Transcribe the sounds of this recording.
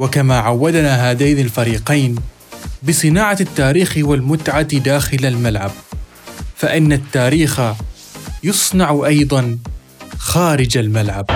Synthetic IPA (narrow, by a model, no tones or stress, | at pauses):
wakamaːʕawːad̪naːɦaːd̪ajnalfaɾiːqɑjn | bɨsˤɨnaːʕat̪ːaːɾiːxwalmʊt̪ʕad̪aːxɪlalmalʕab | faʔɪnːat̪ːaːɾiːxa | jʊsˤnɑʕʔɑjd̪ˤɑn | xaːɾɪd͡ʒalmalʕab